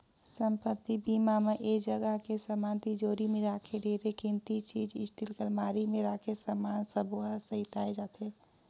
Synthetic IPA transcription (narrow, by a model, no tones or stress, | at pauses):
səmpət̪ːibimameʔeːd͡ʒəɡəɦkesəmaːnt̪id͡ʒoːɾimẽɾaːkʰeɖʱeːɾekɪ̃nt̪it͡ʃiːd͡ʒɪsʈɪlkəlmaːɾimẽɾaːkʰesəmaːnsəbuasəɦit̪aːed͡ʒaːt̪ɦeː